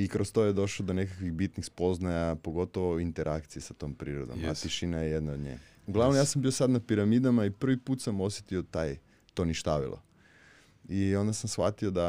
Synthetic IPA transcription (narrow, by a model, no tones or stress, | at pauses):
ikɾost̪ojed̪o̞ʃlod̪o̞nekakʋiɣbit̪nixspo̞znajapo̞ɡo̞t̪oʋoint̪eɾʔakt̪sijesat̪o̞ːmpɾḭːɾod̪o̰ma̰t̪iʃinajejed̪naod̪ɲḛj | uɡlˠaʋnomjaːsambio̞sad̪napiɾamid̪amaipr̩ʋipuːt̪samo̞sjet̪io̞t̪aj | t̪o̞niʃt̪aʋḭlˠʔo̰ | io̞nd̪asamsxa̰t̪io̞d̪a